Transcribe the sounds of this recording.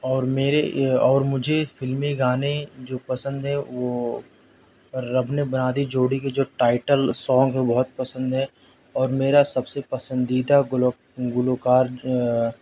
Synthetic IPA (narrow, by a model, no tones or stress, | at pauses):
ɔːɾmeːɾeɔːɾmʊd͡ʒʱefɪlmiɡaːned͡ʒoːpɐsə̃nd̪ɦɛʋoː | ɾɐbnebɐnaːd̪id͡ʒoːɽiked͡ʒoːʈaːɪʈəlsɔ̃ːŋɡɦɛbɔɦʊt̪̚pɐsə̃nd̪ɦɛ | ɔːɾmeːɾasɐbsepɐsə̃nd̪iːd̪a | ɡʊloːkaːɾ